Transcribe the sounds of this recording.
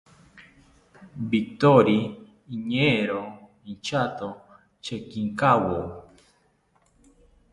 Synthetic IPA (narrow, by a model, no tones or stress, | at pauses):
bit̪oɾi | iɲeɾo | int͡ʃat̪o | t͡ʃekiŋkawo